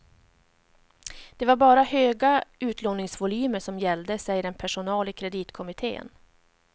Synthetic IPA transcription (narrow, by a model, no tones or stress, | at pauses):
d̪̥ɛvaɾbɑːɾahøːɡaʉ̟ːt̪ʰloːnɪŋsvʊlyːməʂɔmjɛld̪əsɛjəɾɛnpʰæʂʊnɑːlɪkʰɾɛd̪iːt̪kʰɔmɪt̪ʰḛːn